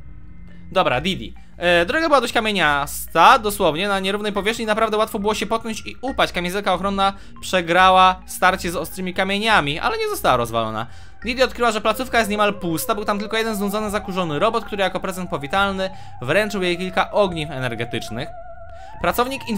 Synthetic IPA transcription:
d̪ɔbɾa̰d̪ʲid̪ʲḭ | d̪ɾɔɡabɘwad̪ɔɕt͡ɕkamʲjeɲast̪ad̪ɔswɔvɲɛnaɲɛɾuvnɛjpɔvʲjɛʂxɲinapɾavd̪ɛwat̪fɔbɘwɔɕɛpɔt̪̚knɔɲt͡ɕiupat͡ɕkamʲẽzɛlkaɔxɾɔnːa | pʂɛɡɾawafst̪aɾt͡ɕɛzɔst̪ɾɘmʲikamʲjeɲamʲiʔa̰lɛɲɛzɔst̪awaɾɔzva̰lɔ̰na̰ | d̪ʲid̪ʲiɔt̪kɾɘwaʐɛplat̪sufkajɛst̪̚ɲɛmalpust̪abɘwt̪amt̪̬ɘlkɔjɛd̪ɛnznɔnd̪zɔnɘzakuʐɔnɘɾɔbɔt̪̚kt̪uɾɘjakɔpɾɛzɛnt̪̚pɔvʲit̪alnɘ | vɾɛnt͡ʂɘwjejkʲilkaʔɔɡɲifɛnɛɾɡɛt̪ɘt͡ʂnɘx | pɾat̪sɔvɲikin

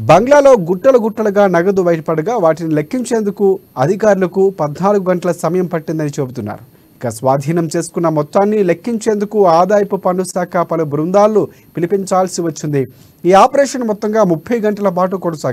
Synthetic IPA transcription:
bɐŋɡlaːlo̞ːɡuʈːɐlɐɡuʈːɐlɐɡaːnɐɡɐd̪ubɐjʈɐpɐɽɐɡaːʋaːʈinilekʰːiɲt͡ʃe̞ːnd̪ukuɐd̪ʱikaːɾulɐkupɐd̪naːluɡuɡɐɳʈɐlɐsɐmɐjɐmpɐʈːind̪ɐnit͡ʃebut̪unːa̰ːɾu | ikɐsʋaːd̪ʱiːnɐmt͡ʃe̞ːsu̥kunːɐmɔt̪ːaːnːilekːiɲt͡ʃe̞ːnd̪ukuaːd̪aːjɐpupɐɳɖusaːkʰɐpɐlubɾund̪aːlːu | pilipiɲt͡ʃaːlsiʋɐt͡ʃːind̪i | iːaːpɐɾɛːʂɐnmɔt̪ːɐŋɡaːmupʰːɐjɡɐɳʈɐlɐp̬aːʈukuːɽɐsaːɡ

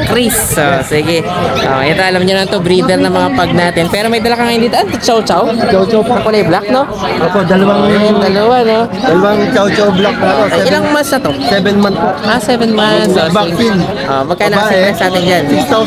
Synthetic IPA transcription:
kɾisosiːɡɪʔo̰ʔɛt̪oʔɐlɐmɲonɐnt̪obɾid̪ɛɾnɐŋmɐŋapɐɡ̚naːt̪ɪnpɛːɾo̞mɐjd̪ɐlɐkaŋɐjond̪iːt̪oʔɐnt̪ɐt͡ʃawt͡ʃɐwt͡ʃawt͡ʃawpɐɐkʊlɐjblak̚no | ʔoːpod̪ɐlɐwaɐnd̪ɐlɐwanod̪ɐlɐwaŋt͡ʃɐwt͡ʃawblak̚oʔoɐjɪlaŋmansnɐt̪o̞sɛbɛnmant̪̚poʔasɛvɛnmasbail | ʔo̰ːʔmɐɡ̚kanɐaɛɾɛsnaːt̪ɪnd͡ʒan

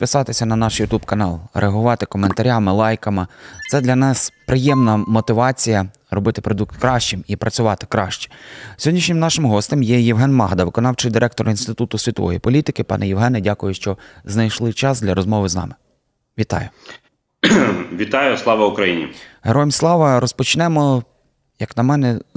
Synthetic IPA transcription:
pɪsɑt̪ɪsʲɐnɐnɑʃjʊt̪ubkɐnɑlˠɾʔeɐɦʊʋɑt̪ɪkɔment̪ɐɾʲamɪlˠɑjkɐmɪt̪sɛd̪lʲɐnɑspɾɪjɛmnɐmɔt̪ɪʋɑt͡sʲijɐ | ɾɔbɪt̪ɪ̥pɾɔd̪uk̚t̪kɾɑʃt͡ʃɪmipɾɐt͡sʲʊʋɑt̪ɪ̥kɾɑ̰ʃt͡ʃɛ̥sʲjɔdʲnʲiʃɲʲɪmnɑʃɪmɦɔst̪emjɛjiwɦɛnmɑ̰ɦd̪ɐʋɪkɔnɑwt͡ʃɪjd̪ɪɾʔɛk̚t̪ɔɾinst̪ɪt̪ut̪ʊsʲʋʲit̪ɔʋɔ̰jipɔlʲit̪ɪkɪpɑ̰nɛjiwɦɛnɛdʲakʊjʊʃt͡ʃɔznɐjʃlˠɪt͡ʃɑsd̪lʲɐɾɔzmɔʋɪznɑ̰mɪ | ʋʲit̪ɑ̰jʊ | ʋʲit̪ɑjʊslˠɑʋɐʊkɾɐjinʲḭɦeɾɔjmʲslˠɑʋɐɾɔspɔt͡ʃnɛmɔ | jɐknɐmɛnɛ

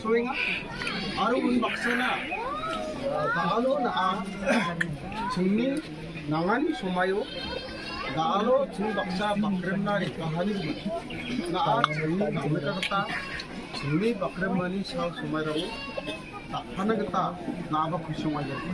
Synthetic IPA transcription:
sɔweŋaː | ɾuunbak̚sana | ɡaʔalɔnaʔa | t͡ʃʰɯŋni | naŋanisɔmajɔ | ɡaʔalɔt͡ʃʰɯŋbak̚sabakɾemnaebaɦaniɾɯɡɯ | naʔatʰɯŋniɡamɯtaɡɯt̪a | t͡ʃʰɯŋnibakɾemːanisawsɔmajɾaŋɔ | taʔ̚pʰanaɡɯt̪anaabakʰusɔŋajɔ

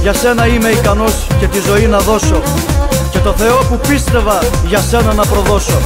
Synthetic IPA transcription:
ʝɐse̞nɐime̞ikɐno̞sce̞t̪izo̞inɐðo̞so̞ | ce̞t̪o̞θe̞o̞pupist̪e̞vɐʝɐse̞nɐnɐpɾo̞ðo̞so̞

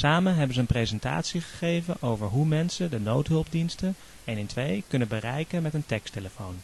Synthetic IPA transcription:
saːmənɦɛbənzəːnprezɛnta̰ːtsiχə̥χejvənʔowvəɹɦumɛnsədənowtɦɵlˠp̚dinstən | ɛnɪntʋejkɵnənbərɛjkənmɛtəntɛksteləfown

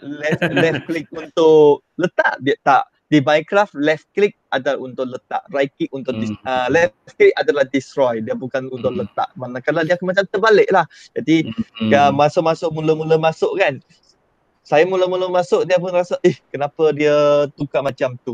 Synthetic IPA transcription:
lɛfɛfklik̚unt̪ʊʔ | lət̪a̰ʔdiət̪aʔ | dibajkɾaftlɛfklɪk̚ʔadaunt̪ʊʔlət̪a̰ʔrajkik̚unt̪ʊʔdisəlɛflɛfklik̚adalahdist̪ɾɔjdiəbukanunt̪ʊʔlət̪a̰ʔmanakaladiakamat͡ʃamt̪əbalɪʔlah | d͡ʒadikəmasʊʔmasʊʔmuləmuləmasʊʔkan | sajamuləmuləmasʊʔdiəp̬ʊnrasaʔɪhkənapədiət̪ukaʔmat͡ʃamt̪u

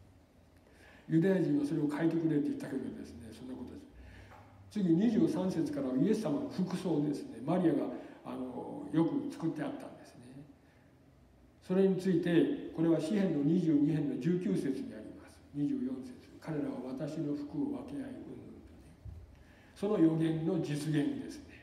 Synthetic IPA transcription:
jɯ̟d̪ajaʑĩɰ̃βaso̞ɾe̞o̞kʰaet̪e̞kɯ̟ɾe̞ɾɯt̪ojit̪ːaked̪ood̪esɨneso̞nːako̞t̪o̞d̪es | t͡sɨɡʲiɲ̟iʑɨːsãse̞t͡sɨ̥kaɾaβie̞sɨːamanoɸɯkɯ̟so̞ːd̪e̞sɨne̞maɾʲiaɡaa̰no̞jo̞kɯ̟t͡sɨ̥kɯ̟t̪ːe̞at̪ːã̰nd̪e̞̥sɨ̥ne̞ | so̞ɾe̞ɲ̟it͡sɨit̪e̞ko̞ɾe̞βaɕihẽ̞nːo̞ɲ̟iʑɨːɲihẽ̞nːo̞d͡ʑɨːkʲɨːse̞t͡sɨɲ̟iaɾʲḭmasɨ̥ɲ̟iʑɨːjõ̞se̞̥t͡sɨ̥kʰaɾe̞ɾaβaβat̪aɕino̞ɸɯ̥kɯ̟o̞βake̞naiɯ | so̞no̞jo̞ɡẽ̞nːo̞d͡ʑit͡sɨɡẽ̞nd̪e̞sɨ̥ne̥

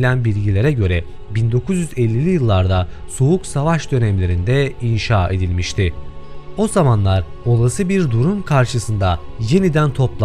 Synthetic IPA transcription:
lʲænbiɾʲɟilʲe̞ɾɛɟø̞ɾɛ | bind̪o̞kʰuzjyzɛlʲːilʲijɯlˠːaɾd̪asouksavaʃd̪ø̞nɛmlʲe̞ɾind̪ɛinʃaːe̞d̪ilʲmiʃt̪ʰɪ | o̞zamanlˠaɾ | o̞lˠasɯbiɾd̪uɾumkʰaɾʃɯsɯnd̪aje̞nid̪ænt̪ʰo̞plˠ

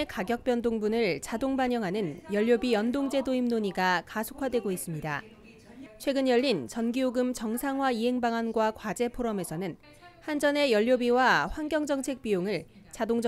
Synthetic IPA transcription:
ekaɡjʌk̚p͈jʌndoŋbunɯɭt͡ɕadoŋbaɲʌŋɦanɯnjʌʎːjobijʌndoŋd͡ʑe̞doimnoɲiɡakasʰo̥kʰwadwe̞ɡois͈ɯmɲida̰ | t͡ɕʰwe̞ɡɯnjʌʎːint͡ɕʌnɡioɡɯmt͡ɕʌŋsʰaŋɦwaiɦe̞ŋbaŋanɡwakwad͡ʑe̞pʰoɾʌme̞sʰʌnɯn | hand͡ʑʌne̞jʌʎːjobiwaɸwanɡjʌŋd͡ʑʌŋt͡ɕʰe̞k̚p͈ijoŋɯɭ | t͡ɕadoŋd͡ʑ

